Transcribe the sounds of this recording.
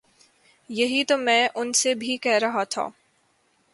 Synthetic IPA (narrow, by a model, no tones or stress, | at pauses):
jɐɦit̪omɛ̃ːʔʊnsebʱikɛɦɾɐɦat̪ʰa̰ː